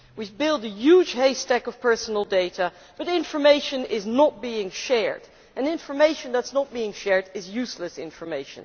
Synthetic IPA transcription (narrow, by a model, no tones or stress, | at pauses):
wibɪlˠdɨjʉd͡ʒʒ̥heɪstɛkʌv̥pʰɜ˞sn̩l̩ˠdeɪɾə | b̥ʌɾɪ̃ɱfə˞meɪʃɨ̃nɪznət̚b̥iɪ̃ŋʃɛɹd | ʔɨ̃nɪ̃ɱfə˞meɪʃə̃nðætsnət̚b̥iɪ̃ŋʃɛɹdɪzjʉsləsɪ̰̃ɱfə˞meɪʃə̰̃n